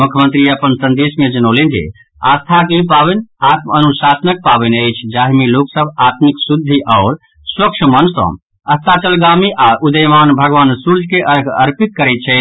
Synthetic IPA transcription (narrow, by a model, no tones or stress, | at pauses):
mukʰjəmə̃nt̪ɾiəpənsə̃nd̪ismẽd͡ʒənolend͡ʒḛ | a̰st̪ʰakipabɛnat̪̚mənusasənək̚pabɛnəjt͡ʃʰd͡ʒaɦmiloksəbʱat̪miksud̪ʱːiʔaʊɾ | swəkt͡ʃʰəmənsə̰̃ | əst̪at͡ʃəlɡamiʔaɾʔud̪əjmanbʱəɡʋaːnsuɾd͡ʒkeʔəɾɡʰə̰ɾpit̪̚kəɾɛt̪̚t͡ʃʰɛ